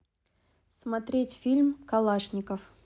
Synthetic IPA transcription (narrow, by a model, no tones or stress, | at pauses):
smɐt̪ɾʲetʲfʲilʲmkɐlˠaʂnʲɪkəf